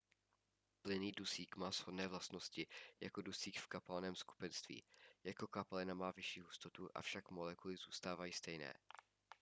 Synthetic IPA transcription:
plɪniːdusiːkmaːz̥hodnɛːvlast̪no̞scɪjakodusiːkfkapanɛːmsku̥pɛnst̪vḭːjako̞kapalɪnamaːvɪʃiːɦust̪o̞t̪uʔa̰fʃakmolɛkulɪzuːst̪aːvajiːst̪ɛjnɛ̰ː

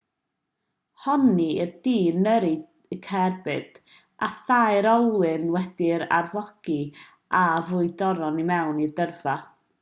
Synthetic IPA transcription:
hɔniərdiːnəɾi | kʰɛrbɨd̥ | ʔaθaɨɾɔlˠwɨnwɛd̥ɪɾa̰rvɔɡ̥i | ʔavʊɨdɔɾɔnimɛwnidərv̥a

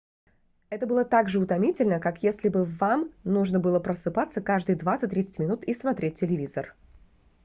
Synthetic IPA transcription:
ɛt̪əbɨlˠət̪aɡʐɨʊt̪ɐmʲitʲɪlʲnəkakjesʲlʲɪbɨvamnuʐnəbɨlˠəpɾəsɨpat̪səkaʐd̪ɨjd̪vat̪sɨt̚ʲt̪ːɾʲit̪sə̥tʲmʲɪnut̪ismɐt̪ɾʲet̚ʲːɪlʲɪvʲizər

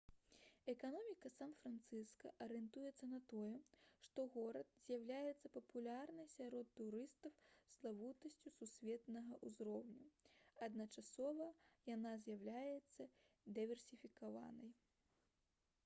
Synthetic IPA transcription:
ɛkanɔmʲikɐsamfɾant̪sɨskɐʔɐɾɛnt̪ujɛt̪sːɐnɐt̪ɔjɛʂt̪ɔɣɔɾɐt̪z̥ʲjawlʲajɛt̪sːɐpɐpulʲarnɐjsʲaɾɔt̪ːuɾɨst̪ɐwslˠavut̪ɐsʲt͡sʲususʲvʲɛt̪nɐɣɐʔuzɾɔwnʲuɐd̪nɐt͡ʂasɔvɐjanazʲjawlʲajɛt̪sːɐ | d̪ɨvʲɛrsʲifʲikava̰nɐj

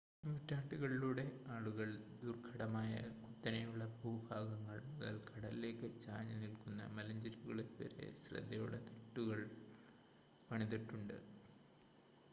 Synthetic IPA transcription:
nuːtːaːʈːiɣɐɭiluːɽe̞aːɭuɣɐɭd̪urkʰɐɽɐmaːjɐ̰kut̪ːɐnɐjuɭːɐbʱuːbʱaːɡɐŋːɐɭmuðɐ̰lkʰɐɽɐlile̞ːkːɨt͡ɕaːɲɐnilkunːɐ̰mɐlɐɲd͡ʑɐɾuɣɐɭinʋɐ̰ɾḛɕrɐ̰d̪ʱːɐjṵɽɐ̰t̪iʈːuɣɐɭ | pɐɳiðiʈːuɳɖɨ̰

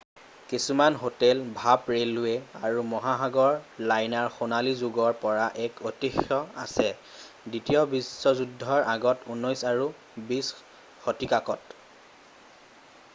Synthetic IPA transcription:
kisumanɦotɛlbʱapɹelːʊjɛaɹumɔɦaxaɡɔɹlajnaɹxonalizuɡɔɹpɔɹaʔɛkotixjɔa̰sɛ | ditijɔbisːɔzudʱːɔɹʔaɡɔtunːɔjsaɹu | bis | xɔtikakɔt

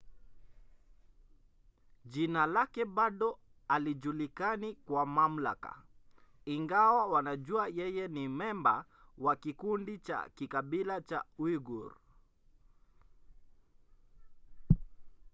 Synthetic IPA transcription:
ʄinalakɛɓaɗɔ | aliʄulikanikwamam̩la̰ka̰ | iŋɡawawanaʄuajɛjɛnimɛmba̰ | wakikundit͡ʃa̰kikaɓilat͡ʃa̰wiɡṵɾ

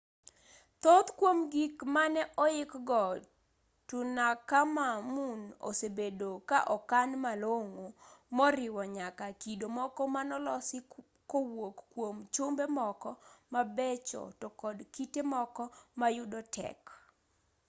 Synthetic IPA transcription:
t̪ot̪kwomɡikmanɛʔɔɪkɡɔ | tʊnakamamuno̰sebedokaʔɔkanmaloŋomɔɾɪwɔɲakakidomɔkɔmanɔlɔsɪ | kowokːwomt͡ʃʊmbemɔkɔmabɛt͡ʃɔ̰tɔkɔdkitemɔkɔmajʊdɔtʰɛ̰k

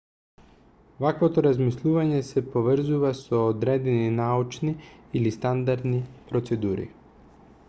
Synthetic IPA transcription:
vakvot̪ɔɾazmislˠuvaɲɛsɛpovr̩zuvasɔːd̪ɾɛd̪ininaut͡ʃniilist̪and̪aɾd̪nipɾɔt̪sɛd̪uɾḭ

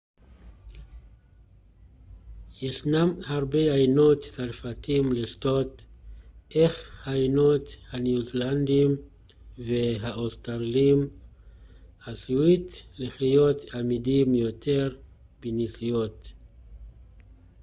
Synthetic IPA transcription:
jeʃnamhaʁbeajno̞tt͡salfat̪imliʃt̪o̞t̪ | ʔeχhajno̞t̪hanuzland̪im | veɦaʔost̪aʁlim | asuit̪leχijo̞t̪amidimjo̞t̪ʰeʁ | b̥enisijo̞t̪

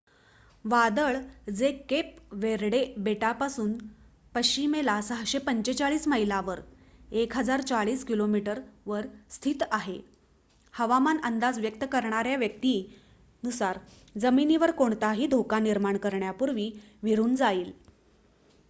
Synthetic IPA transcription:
ʋad̪əɭd͡zekep̚ʋeɾɽebeʈapasuːn | pəɕimelasəɦɕepəɲt͡ɕet͡saɭiːsməɦilaʋəɾ | ekɦəd͡zaɾt͡saɭiːskilomiʈəɾʋəɾst̪ʰit̪aɦe | həʋamanənd̪ad͡zʋjək̚t̪əkəɾɳaɾjaʋjək̚t̪iː | nusaɾ | d͡zəminiːʋəɾkoɳt̪aɦiːd̪ʱokaniɾmaɳkəɾɳjapuɾʋiː | ʋiɾuːnd͡zaiːl

